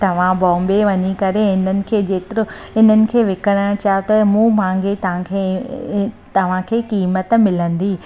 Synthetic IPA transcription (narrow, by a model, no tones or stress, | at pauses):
t̪ɐʋ̤ãbɔ̃ːmbeʋɐɲikɐɾeɪn̤ənɪ̆kʰeːd͡ʑeːt̪ɪɾo | ɪn̤ənɪ̆kʰeːʋɪkəɽ̃əɽ̃t͡ɕaːut̪ɐmũːmãːŋɡet̪ɐãkʰe | t̪ɐʋ̤ãkʰeːkiːmət̪mɪlə̃nd̪iː